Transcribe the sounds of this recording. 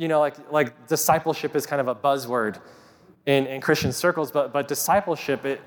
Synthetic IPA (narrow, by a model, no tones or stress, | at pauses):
jɨnoʊlaɪklaɪk̚d̥ɨsaɪpl̩ˠʃɨpɨz̥kʰãɪ̃ndʌvəbʌzwɜ˞d | ɪ̃nɪ̃nkʰɹ̥ɪst͡ʃɨ̃nsɜ˞kl̩ˠzb̥ʌt̚b̥ʌt̚d̥ɨsaɪpl̩ˠʃɪpɪt